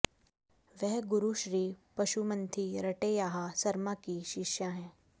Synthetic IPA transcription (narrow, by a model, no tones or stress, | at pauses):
ʋɛɦɡʊɾuʃɾiːpɐʃumə̃nt̪ʰiɾɐʈeːjaːɦasɐɾmakiʃɪʃjaɦɛ̃ː